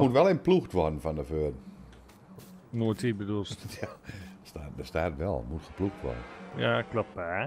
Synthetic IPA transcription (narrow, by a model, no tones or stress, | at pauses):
mutʋɛlˠɪnpluxtʋɔdən̩fɔndəføədn̩ | noətʰitbədulˠsjastaːdəstaːtʋɛ̰lˠmutxəpluxtʋɔ̰dən̩jaklap̚ba